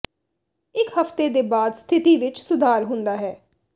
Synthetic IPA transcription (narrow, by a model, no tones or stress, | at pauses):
ɪkhəft̪eːd̪eːbaːd̪st̪ʰɪt̪iːʋɪt͡ʃsʊd̪ʱaːɾɦʊ̃nd̪aːɦɛː